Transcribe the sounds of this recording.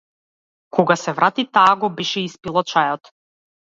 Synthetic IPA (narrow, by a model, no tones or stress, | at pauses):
kʰɔɡasɛvɾat̪it̪aːɡɔbɛʃɛispilˠɔt͡ʃajɔt̪